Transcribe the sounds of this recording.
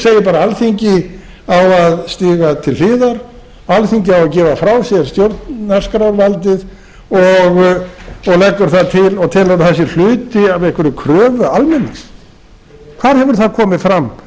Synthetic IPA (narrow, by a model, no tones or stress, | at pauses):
seːjɪpaːɾaalθiɲcɪ | awaðst̪iːɣat̪ʰɪllɪːðaɾ | alθiɲcɪawaðcɛːvafɾawsjɛɾ̥st̪jowɾt̪askɾawɾvalt̪ɪð | ɔɣ | ɔɣlɛkːʏɾ̥θaðt̪ʰɪlɔɣt̪ʰɛːlaɾθɛs̬ɪɾl̥ʏːt̪ɪavɛhkvɛɾʏkʰɾœːvʏalmɛnːas | kʰv̥aɾhɛvʏɾ̥θaðkʰɔːmɪðfɾamː